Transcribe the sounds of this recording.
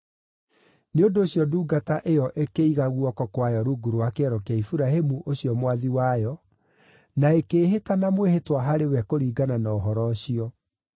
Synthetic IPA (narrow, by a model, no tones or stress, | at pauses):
neondoːɕjɔduːɡataʔejɔʔekeiɣaɣuɔkɔkwajɔɾuɡuɾowakeɛɾɔkaifuɾaɦemuʔoɕijɔmwaðiwajɔ | naekeːɦetanamwehetwaɦaɾewɛkoɾiːɡananaɔɦɔɾɔɕiɔ